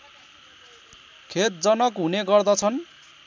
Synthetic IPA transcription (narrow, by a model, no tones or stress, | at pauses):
kʰet̪̚d͡zʌnʌkɦuneɡʌrd̪ʌt͡sʰʌn